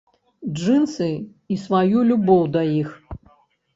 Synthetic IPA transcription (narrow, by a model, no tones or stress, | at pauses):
d͡ʐɨnsɨ | isvajulʲubɔwd̪ɐjix